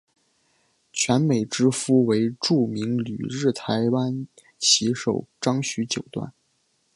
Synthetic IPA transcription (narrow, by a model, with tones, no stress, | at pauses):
t͡ɕʰɥɛ˧˥nme˨˩ɪʈ͡ʂɻ̩˥fu˥we˧˥ɪʈ͡ʂu˥˩mi˧˥ŋly̰˨˩ɻɻ̩˥˩t̪ʰa˧˥ɪwa˥n | t͡ɕʰi˧˥ʂo˨˩ʊʈ͡ʂɑ˥ŋɕy˧˥t͡ɕjo˨˩ʊt̪wa̰˥˩n